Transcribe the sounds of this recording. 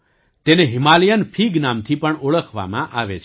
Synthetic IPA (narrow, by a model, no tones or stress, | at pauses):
t̪eneɦimalijənpʰiɡnamt̪ʰipəɳoɭəkʰʋa̰mã̰ʔaʋet͡ʃʰ